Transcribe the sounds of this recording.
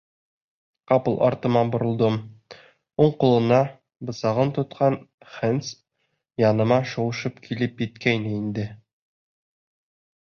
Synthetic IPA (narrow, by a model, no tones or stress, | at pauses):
qɑpɤ̆lˠɒ̰ɾt̪ɤ̆mɑbŏɾɤ̆lˠd̪ɤm | uɴqulˠɤ̆nɑ | bɤ̆sɑʁɤnt̪ŏt̪̚qʰɑn | χɘns | jɑnɤ̆mɑʃowɤ̆ʃɤpkʰilɘpjɘ̆t̪kæjnɘind̪ɘ